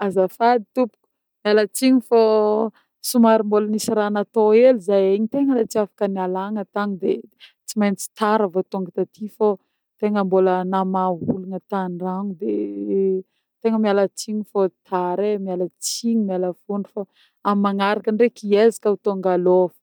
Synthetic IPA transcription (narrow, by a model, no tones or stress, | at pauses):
azafad̪it̪upu̥ku̥ | mialət͡siɲifo | sumaɾimbolənisiɾanat̪oelizajeɲit̪eŋəlat͡siafḁkənialaŋət̪aŋid̪et͡simajnt͡si̥t̪aɾavot̪oŋɡət̪at̪ʰifo | t̪eŋəmbolənamaɦulunət̪anraŋud̪e | t̪eŋəmialət͡siɲifot̪ʰaɾemialət͡siɲimaləfuɳɖ͡ʐufa | amaŋaɾakənɖ͡ʐekiezi̥kaut̪oŋɡalofə̥